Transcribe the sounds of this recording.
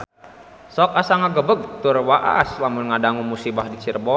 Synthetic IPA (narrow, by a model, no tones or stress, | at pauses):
sɔk̚asaŋaɡəbək̚t̪urwaʔa̰slamunŋadaŋumusibahdit͡ʃirbɔ